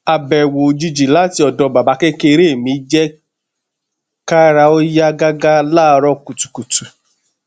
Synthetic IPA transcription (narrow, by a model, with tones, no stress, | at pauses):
a˨bɛ˨wo˨d͡ʒi˧d͡ʒi˨la˦˨ti˧ɔ˨dɔ˨˦ba˨ba˨˦ke˦ke˦˧ɾe˦˨mĩ˧˦d͡ʒɛ˦ | ka˦ɾa˧o˦ja˦ɡa˦ɡa˦laː˦˧ɾɔ˦ku˨tu̥˨ku˨tu˨